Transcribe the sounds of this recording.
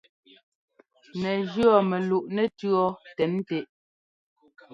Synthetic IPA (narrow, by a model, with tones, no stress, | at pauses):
nɛ˨d͡ʒɰɔ˦˨mɛ˨lu˨ʔnɛ˨tɰɔ˦tɛ˨˦n˦te˨ʔ